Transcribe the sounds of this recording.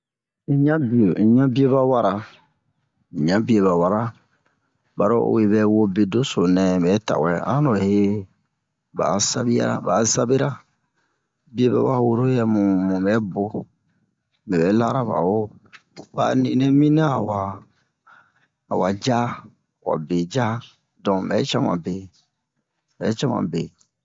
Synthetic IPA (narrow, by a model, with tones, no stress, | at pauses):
ĩ˦˨ɲã˦bi˨o˨ĩ˨ɲã˦bi˦o˦ba˦wa˦ɾa˨ | ĩ˨ɲã˦bi˦e˨ba˨wa˨ɾa˦ | ba˨ɾo̰˦o̰˨we˨bɛ˨wo˦be˨do˦so˨nɛ̃˨bɛ˨˦ta̰˨wɛ˨ã˦nɔ˨he˦ | ba̰˨sa˦bi˦ja̰˦ɾa̰˦˨ba˨sa˦be˦ɾa˦ | bi˦e˦bɛ̰˨˦wa˦wo˦ɾo˦jɛ˦mũ˨mũ˨bɛ˦bo˦ | mɛ˨bɛ˨˦la˦ɾa˦ba̰˨wo˦ | ba̰˨nĩ˨nɛ̃˦mĩ˦na˦a˨wa˨ | wa˨d͡ʒa˦˨ | wa̰˨be˨d͡ʒa˦ | dɔ̃˨mɛ˨˦t͡ʃa˦mã˨be˨ | bɛ˨˦t͡ʃa˦mã̰˨be˨